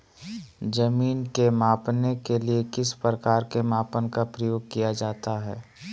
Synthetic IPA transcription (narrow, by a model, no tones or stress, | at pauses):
d͡ʒɐmiːnkemaːpnekeliekɪspɾəkaːɾkemaːpənkapɾəjoːɡ̚kijad͡ʒaːt̪aɦɛ̰ː